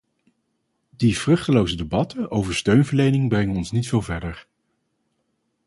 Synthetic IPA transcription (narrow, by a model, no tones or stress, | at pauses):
divrɵχtəlowzədebɑtʰənʔowvəɹstøɥnvəɹlejnɪŋbrɛŋənɔnsnitfɪːlˠvɛɹdəɹ